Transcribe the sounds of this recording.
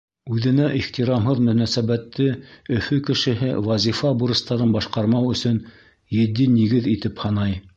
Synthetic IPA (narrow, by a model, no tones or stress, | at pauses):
ʉðɘ̆næʔiχt̪iɾɑmɦɤðmɵ̆næsæβæt̪ːɘɵ̆fɵkɘ̆ʃɘ̆ɦɘwɑzʲifɑbuɾɤ̆st̪ɑɾɤnbɑʃqɑɾmɑwɵ̆sɵn | jɘ̆d̪ːiniɡɘðit̪ɘphɑnɑj